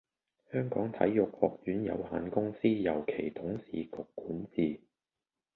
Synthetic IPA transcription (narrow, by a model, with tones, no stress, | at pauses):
hœː˥ŋkɔː˨˥ŋt̪ʰɐ̰˨˥jːʊ˨k̚hɔː˨˧k̚jyː˨˥njɐ̰˨˧whaː˨˧nkʊ˥ŋsiː˥jɐ˨˩wkʰe˨˩jt̪ʰʊ˨˥ŋsḭː˨kʊ˨kːuː˨˥nt͡siː˨˩